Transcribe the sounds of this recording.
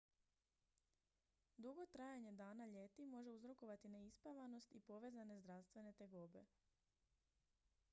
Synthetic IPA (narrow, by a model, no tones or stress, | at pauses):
d̪uɡo̞t̪ɾajaɲe̞d̪aːnaʎe̞t̪imo̞ʒe̞uzɾo̞ko̞ʋat̪ineispaʋano̞st̪ipo̞ʋe̞ːzane̞zd̪ɾaʋst̪ʋe̞ne̞t̪eɡoːbe̞̰